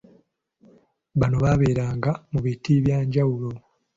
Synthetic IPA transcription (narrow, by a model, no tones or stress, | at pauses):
βano̞βaβe̞ːɾaːŋɡamuβitiβjaːɲɟawulo̞